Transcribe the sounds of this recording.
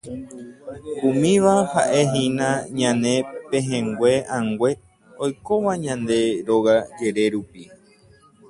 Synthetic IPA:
kumĩʋahaʔe̞ɦĩnãɲãnẽ̞pẽɦẽŋɡʷe̞ãŋɡwʷe̞ | ojkoʋaɲãnd̪e̞ɾo̞ɣad͡ʒe̞ɾe̞ɾupi

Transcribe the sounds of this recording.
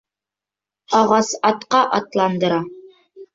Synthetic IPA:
ɑʁɑsɑt̪qɑʔɑt̪lˠɑnd̪ɤ̆ɾɑ

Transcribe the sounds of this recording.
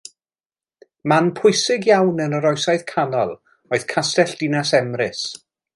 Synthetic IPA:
manpʰʊɨsɪɡjawnənəɾɔjsajðkʰanɔlˠ | oɨð̥kʰastɛɬd̥ɪnasɛmrɪs

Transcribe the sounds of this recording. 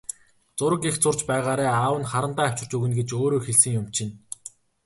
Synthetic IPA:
t͡sʊɾə̆kext͡sʊrt͡ɕpæːʁaːɾæːaːwə̆nχaɾə̆nt̪aːw̥ʲt͡ɕɪ̆r̥t͡ɕɵɣɘ̆nɡet͡ɕoːɾoːxeɮsɘ̆ŋjʊm̥t͡ɕʰɪ̆n

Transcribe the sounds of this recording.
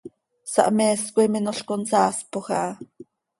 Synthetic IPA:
sɑ̰ʔmɛːskʷiminoɬkonsaːspoxa̰ʔ

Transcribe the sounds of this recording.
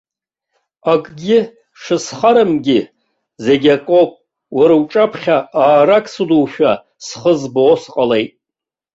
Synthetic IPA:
akʼɡʲɪ | ʂɨsχaɾɨmɡʲɪ | ze̞ɡʲakʼopʼ | waɾwʈ͡ʂʼapʰχʲaaːɾakʰʼsuduwʃᶣa | sχəzboːsqʼale̞jtʼ

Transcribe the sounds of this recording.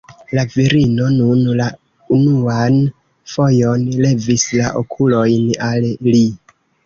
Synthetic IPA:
laviɾino̞nunla | unuan | fo̞jo̞nle̞vislaʔo̰kʰulo̞jnalli

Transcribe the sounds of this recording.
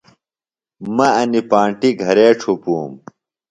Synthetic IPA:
mɐɐnipaːɳʈiɡʱɐɾeːʈ͡ʂʰupuːm

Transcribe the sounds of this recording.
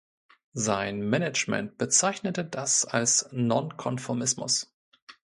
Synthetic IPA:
zaɪnmɛnɛt͡ʃmɛ̰nt̚b̥ət͡saɪçnətədasalsnɔnkʰɔnfɔɐmɪsmʊ̰s

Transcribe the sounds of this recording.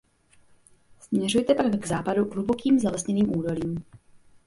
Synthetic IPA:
smɲɛrujt̪ɛpakɡzaːpaduɦlubokiːmzalɛsɲɛniːmʔuːdo̞liːm

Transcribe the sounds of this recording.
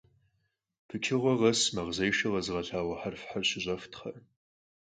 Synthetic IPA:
pʰɨkʲʰɪʁʷɔʁɐsmɐʁzɐjʃɐʁɐzʁɐɬaːwɐħarfħarɕɪʑʷʼɐftχɐr

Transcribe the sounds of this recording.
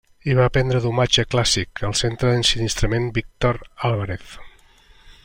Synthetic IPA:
iβapɛnd̪ɾəðumad͡ʒəklasikəlˠsent̪ɾəðənsinist̪ɾəmenbik̚t̪oɾalˠβəɾeθ

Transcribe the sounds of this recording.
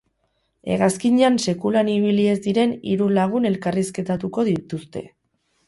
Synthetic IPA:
e̞ɣaskiɲeanse̞kulaniβ̞ilie̞zd̪iɾe̞nḭɾulaɣ̞une̞lkariske̞t̪at̪uko̞ðit̪ust̪e̞̰

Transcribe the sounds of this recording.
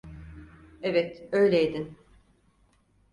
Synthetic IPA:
evɛt̪øjlʲejd̪in

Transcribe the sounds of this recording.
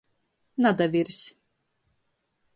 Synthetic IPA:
nad̪avʲiɾsʲ

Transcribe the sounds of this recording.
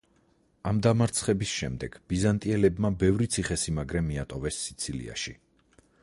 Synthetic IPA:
amd̪amaɾt̪sʰχɛbisʃɛ̰md̪ɛɡ̥b̥izant̪ʼiɛlɛbmabɛvɾit̪sʰiχɛsimaɡɾɛmiat̪ʼɔvɛsːit̪sʰilḭa̰ʃi

